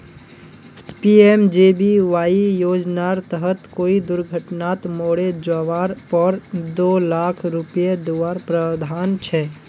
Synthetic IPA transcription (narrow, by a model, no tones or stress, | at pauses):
piːeːmd͡ʒeːbiʋaːijoːd͡ʒnaɾt̪əɦət̪koːid̪ʊɾɡʱəʈnaːt̪moːɽed͡ʒaːʋaːɾpəɾd̪oːlaːkʰɾʊpijed̪uʋaːɾpɾəd̪ʱaːnt͡ʃʰɛː